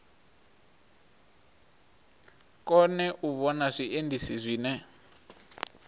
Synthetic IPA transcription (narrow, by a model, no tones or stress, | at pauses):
kʼɔnɛʔuβɔnaʂiʔendʱisizʷiːnɛ